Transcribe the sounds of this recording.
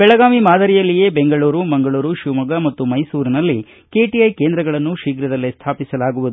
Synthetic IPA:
bɛɭɐɡaːmimaːd̪ɐɾijɐlːije̞ːbeŋɡɐɭuːɾumɐŋɡɐɭuːɾuʃumɐɡɐmɐt̪ːumɐjsuːɾinɐlːi | ke̞ːʈiɐjkeːnd̪ɾɐɡɐɭɐnːuʃiːɡɾɐd̪ɐlːist̪ʰaːpisɐlaːɡuʋud̪u

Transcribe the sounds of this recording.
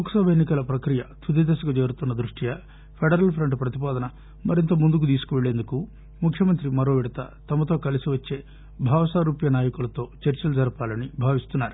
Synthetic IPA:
muksɐbʱeːnːikɐlɐpɾɐkɾijɐt̪ʰud̪id̪ɐsɐkud͡ʒe̞ːɾut̪unːɐd̪ɾuʂʈijɐ | pʰeɖɐɾɐlpʰɾɐɳʈpɾɐt̪ipaːd̪ɐnɐ | mɐɾint̪ɐmund̪ukut̪̬iːsu̥kuʋeɭeːnd̪uku | mukʰjɐmɐnt̪ɾimɐɾoːʋiɽɐt̪ɐ̰t̪ɐmɐt̪o̞ːkɐlisiʋɐt͡ʃːe̞ː | bʱaːʋɐsaːɾuːpjɐnaːjɐkulɐt̪o̞ːt͡ʃɐɾt͡ʃɐlud͡ʒɐɾɐpaːlɐnibʱaːʋist̪unːaːɾu

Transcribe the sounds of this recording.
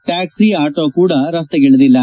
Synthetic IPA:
ʈaːksiaːʈoːkuːɽɐɾɐst̪eɡeɭud̪ilːɐ

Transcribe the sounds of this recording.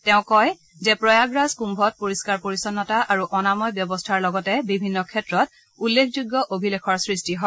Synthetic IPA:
tɛʊ̃kɔj | zɛpɹɔjaɡɹaskumbʱɔt̚poɹiskaɹpoɹisɔnːɔtaʔaɹuʔɔnamɔjbjɔbɔstʰaɹlɔɡɔtɛbibʱinːɔkʰɛtɹɔt̚ | ulːekʰzuɡjɔʔobʱilekʰɔɹsɹistiɦɔ

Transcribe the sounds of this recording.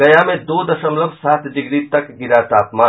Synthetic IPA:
ɐjamẽd̪oːd̪ɐʃəmləbʱsaːt̪ʰd͡ʒɪɡɾit̪ɐkɡɪɾat̪aːpmaː

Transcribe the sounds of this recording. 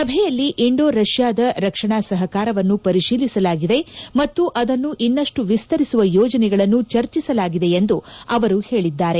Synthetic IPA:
sɐbʱɛjɐlːiʔiɳɖoːɾɐʃjaːd̪ɐɾɐkʂɐɳaːsɐɦɐkaːɾɐʋɐnːupɐɾiʃiːlisɐlaːɡid̪e̞mɐt̪ːuʔɐd̪ɐnːuʔinːɐʂʈuʋist̪ɐɾisuʋɐjɔːd͡ʒɐnɛɡɐɭɐnːut͡ʃɐɾt͡ʃisɐlaːɡid̪e̞end̪uɐʋɐɾuhe̞ːɭid̪ːaːɾe̞

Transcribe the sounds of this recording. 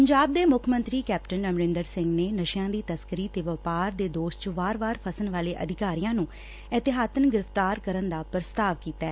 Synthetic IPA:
pəɲd͡ʒaːb̚d̪eːmʊkʰmə̃nt̪ɾiːkɛːpʈənəmɾɪ̃nd̪əɾsɪ̃ŋɡneːnəʃjãːd̪iːt̪əskəɾiːt̪eːʋəpaːɾd̪eːd̪oːʃt͡ʃəʋaːɾʋaːɾpʰəsənʋaːleːʔə̰d̪ʱɪkaːɾijãːnũː | ɛt̪ɪɦaːt̪ənɡɪɾəft̪aːɾkəɾənd̪aːpɾəst̪aːʋkiːt̪ɛː

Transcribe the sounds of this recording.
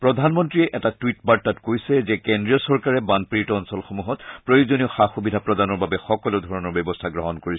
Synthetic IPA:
pɹɔdʱanmɔntɹiɛʔɛtatwitbaɹtːatkojsɛzɛkɛndɹijɔsɔɹkaɹɛbanpiitɔːnsɔlxomuɦɔtpɹojozonioxaxubidʱapɹɔdanɔɹbabɛxɔkɔleʊdʱɔɹɔnɔɹbɛbɔstʰaɡɹɔɦɔnkoɹisɛ

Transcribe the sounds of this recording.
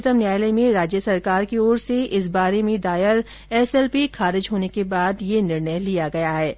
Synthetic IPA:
t̪əmnjaːjlemẽɾaːd͡ʒjəsɐɾkaːɾkioːɾseʔɪs̬baːɾemẽd̪aːɪɾ | ɛːsɛːlpixaːɾɪd͡ʒɦoːnekebaːd̪jenɪɾnəjlijaɡɐjaɦɛː

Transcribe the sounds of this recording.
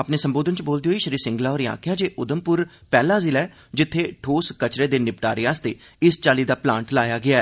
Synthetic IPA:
apneːsəmboːd̪ənt͡ʃboːld̪iɦoːiːʃəɾiːɾsɪ̃ŋɡlaːɔːɾja̰ːkʰjaːd͡ʒeːʔʊd̪əmpʊɾpɛːlaːzɪlɛː | d͡ʒɪt̪ʰːeːʈʰoːskət͡ʃɾeːd̪eːnɪpʈaːɾeaːst̪eː | ɪst͡ʃaːliːd̪aːplãːɳʈlaːjaːɡɪaːɛː

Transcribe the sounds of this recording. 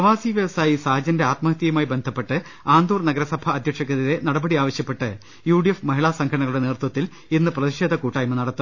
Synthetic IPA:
pɐʋaːsiːʋjɐʋɐsaːjisaːɦɐd͡ʑɐnde̞aːt̪mɐɦɐt̪ːijɐmaːjibe̞nd̪ʱɐpːe̞ʈːɨ | aːnd̪uːrnɐɡɐɾɐsɐbʱɐːd̪ʱjɐkʂɐkːɐðiðe̞nɐɽɐbɐɽiaːʋɐɕjɐpːe̞ʈːɨ | juːɖijefmɐɦiɭaːsɐŋɡʰʱɐɐɳɐɣɐɭuɽe̞neːrt̪wɐt̪ːil | inːɨprɐðiʂeːd̪ʱɐkuːʈːaːjɐmɨnɐɽɐt̪ːum

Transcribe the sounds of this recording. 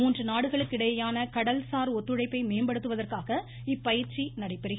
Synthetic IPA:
muːndrɯnaːɽɯɣɐɭɯkːɪɽɐjɐjaːnɐkɐɽɐlsaːɾɔt̪ːɯɻɐɪpːɐɪmeːmbɐɽɯt̪ːɯʋɐðɐrkaːɣɐ | ɪpːɐjɪɾt͡ʃinɐɽɐɪpːɛɾɪɣɐ

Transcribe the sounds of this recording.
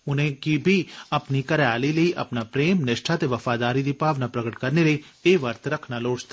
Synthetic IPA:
ʊnɦẽkibʱiɐpnikɐɾjaːlilɐiʔɐ̰pnapɾeːmnɪʃʈʰat̪eʋɐfaːd̪aːɾid̪ɪpaːʋnapɾɐɡəʈkɐɾneleeːʋɐɾt̪ɾɐkʰnaloːt͡ʃt̪ʰa

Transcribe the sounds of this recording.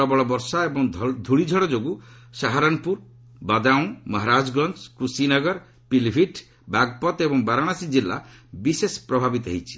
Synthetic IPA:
ɔbɔɭɔbɔɾsaebɔŋd̪ʱuɽid͡ʒʱɔɽɔd͡ʒoɡusaɦaɾɔnpuɾ | bad̪aw̃mɔɦaɾad͡ʒɡɾɔnt͡ʃkɾusinɔɡɔɾ | pilbʱiʈ | baɡpɔt̪ebɔŋbaɾaɽ̃asid͡ʒilːa̰bisespɾɔbʱabit̪ɔɦijt͡ʃʰi̥

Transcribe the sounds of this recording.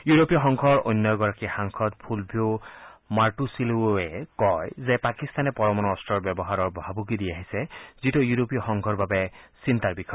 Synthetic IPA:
juɹopiɔxɔŋkʰɔɹo̰jnːɔɡɔɹakixaŋkʰɔt̚pʰulbʱiomaɹʈusiluɛkɔjzɛpakist̪anɛpɔɹɔmɔnɔɔstɹɔɹbjɛbɔɦaɹɔɹbɔɦabuɡidiaɦisɛzitojuɹopiɔxɔŋkʰɔɹbabɛsint̪aɹbikʰɔ

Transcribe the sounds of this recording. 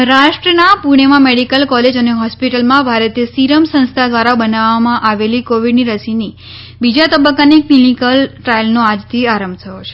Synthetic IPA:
ɾaʃʈɾənapuɽ̃emãmeɽikəlkɔled͡ʒəneɦɔspiʈəlmãbʱaɾət̪esiɾəmsə̃nst̪ʰad̪ʋaɾabənaʋamãʔaʋelikoʋiɖniɾəsini | bid͡ʒat̪əbəkːaniklinikəlʈɾailnoad͡ʒt̪ʰiaɾəmbt̪ʰəjot͡ʃʰe̥

